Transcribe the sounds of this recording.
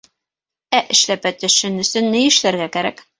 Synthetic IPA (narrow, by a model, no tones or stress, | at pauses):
æʔɘ̆ʃlæpæt̪ɵ̆ʃɘnɵ̆sɵnːɘjɘ̆ʃlæɾɡækæɾæk